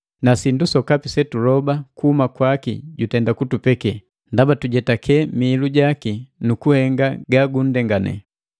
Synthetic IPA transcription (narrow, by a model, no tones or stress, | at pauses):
nasindusɔkapisɛtuɾɔbakuhumakwakḭɟutɛndakutupɛkɛ | ndabatuɟɛtakʰɛmiːluɟakinukuhɛŋɡaɡaɡun̩dɛŋɡanɛ̰